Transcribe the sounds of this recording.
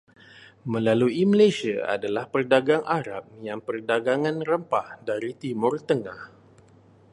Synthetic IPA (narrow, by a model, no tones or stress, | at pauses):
mə̃laluimalajsiaa̰dalahpərdaɡaŋʔaɾap̚jaŋpərdaɡaŋãnrəmpahdaɾit̪imʊrt̪əŋah